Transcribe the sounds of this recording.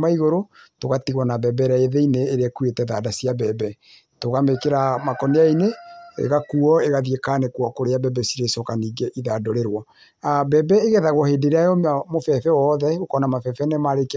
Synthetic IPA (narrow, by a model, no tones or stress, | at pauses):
maiɣoɾotoɣatiɣwɔnabɛbɛɾaeðeineːɾeɛkuetɛðadasiabɛbɛ | toɣamekeɾamakɔneaineḛɣakuɔeɣaðiekanekwɔkoɾeabɛbɛsiɾesɔkaniːɡeʔiðadoɾeɾwɔ | abɛbɛeɣɛðaɣwɔheːdeɾeajɔmmofɛfɛwɔðɛokɔnamafɛfɛnɛmaɾek